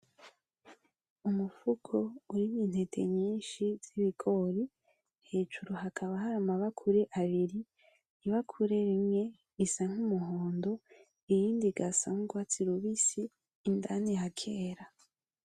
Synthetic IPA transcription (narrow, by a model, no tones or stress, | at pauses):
umufukʰo̞uɾimiːn̥he̞tʰe̞̰ɲiːnʃiz̥iβikʰo̞ɾi | he̞ːd͡ʒuɾoɦakʰaβaɦaɾamaβakʰuɾeʔaβiɾi | iβakʰuɾe̞ɾimŋe̞ | isaŋ̥humuɦoːndo̞ | ijiːndiɡasamuɡwat͡siɾuβisiː | ndanihakʰeːɾa